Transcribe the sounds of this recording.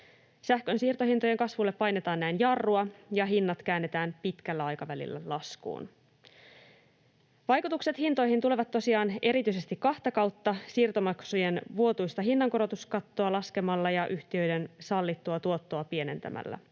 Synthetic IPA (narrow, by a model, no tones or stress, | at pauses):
sæhkø̞nsiːrt̪o̞ɦint̪oje̞ŋkɑsʋulːepːɑjne̞t̪ɑːnːæijnjɑrːuɑjɑɦinːɑt̪kæːnːe̞t̪æːmpit̪kælːæɑjkɑʋælḭlːæ̰lɑskṵːn | ʋɑjkut̪ukse̞t̪hint̪o̞jhint̪ule̞ʋɑt̪ːo̞siɑːne̞ɾit̪yise̞st̪ikːɑht̪ɑkɑwt̪ːɑsiːrt̪o̞mɑksujenʋuo̞t̪ujst̪ɑɦinːɑŋko̞ɾo̞t̪uskɑt̪ːoɑlɑske̞mɑlːɑjɑʔyht̪iø̞jde̞nsɑlːit̪ːuɑt̪uo̞t̪ːo̞ɑpie̞ne̞nt̪æ̰mʔæ̰lːæ̰